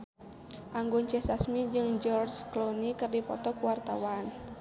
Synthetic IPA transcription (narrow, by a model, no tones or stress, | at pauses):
ʔaŋɡɔɲt͡ʃɛsasmid͡ʒɨŋd͡ʒɔrd͡ʒklɔnikɨrdipɔt̪ɔkuwart̪a̰wan